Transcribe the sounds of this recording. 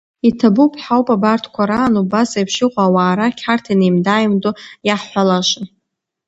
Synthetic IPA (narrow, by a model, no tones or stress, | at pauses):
itʰabupʰħawpʼabartʰkʷʰaɾaːnubasajpʰʃɪqʷʼaːwaːɾakʲʰħartʰinejmdajmdʼojaħħʷalaʃʷɪn